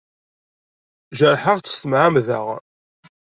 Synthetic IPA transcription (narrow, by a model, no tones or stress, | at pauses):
ʒəɾˤħəʁt͡sːə̥st̪əmʕamðə̰ʁ